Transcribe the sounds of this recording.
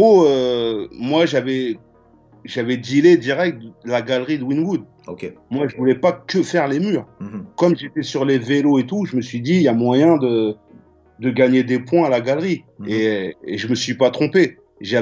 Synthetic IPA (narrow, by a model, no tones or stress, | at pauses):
oø | mwaʒavɛ | ʒavɛd̪iled̪iʁɛk̚t̪̚d̪əlaɡalʁid̪əwinwud̪ | okmwaʒəvulɛpakəfɛʁlemyːʁkɔmʒet̪ɛsyʁleveloet̪uʒəməsɥid̪ijamwajɛ̃d̪ə | d̪əɡaɲed̪epwɛ̃alaɡalʁi | eeʒəməsɥipat̪χɔ̃pe | ʒa